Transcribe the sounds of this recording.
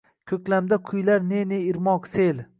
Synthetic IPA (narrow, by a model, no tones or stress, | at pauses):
kʲʰɵkʲlamd̪aqʰʊjlaɾneneiɾmɒqsel